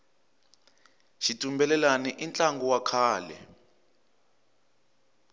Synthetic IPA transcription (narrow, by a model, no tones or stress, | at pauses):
ʃitʼumbɛlɛlaniʔint͡ɬʼaŋɡuwakʰaːlɛ̰